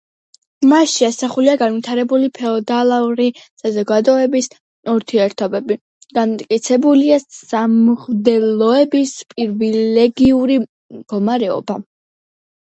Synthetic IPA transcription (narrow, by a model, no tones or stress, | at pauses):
maʃiasaχuliaɡanvit̪ʰaɾɛbulipʰɛɔd̪alˠauɾisazɔɡad̪ɔɛbis | uɾt̪ʰiɛɾt̪ʰɔbɛbi | ɡ̥ant̪ʼkʼit̪sʰɛbuliaamʁd̪ɛlɔɛbispʼiɾvilɛɡiuɾi | mɡɔmaɾɛɔ̰ba